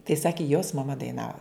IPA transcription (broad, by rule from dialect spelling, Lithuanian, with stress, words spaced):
tɐɪ ˈsɑːkʲɪ joːs mɐˈmɐ dɐɪˈnɑːʋɐ